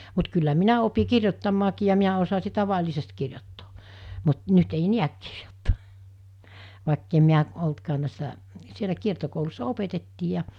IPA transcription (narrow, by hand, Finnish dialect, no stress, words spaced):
mut kylːæ minæ opi kirjotːɑmːɑːkiː jɑ miæ osɑsi tɑʋɑlʲisest kirjotːo̥ː mut nyt ei niæk ki̥r̥j̊o̥tːo̥ː ʋɑˑekːem miæ oltkɑːn̆ næˑesːæ sielæ kiertokoulusːɑ opetetːiː jɑ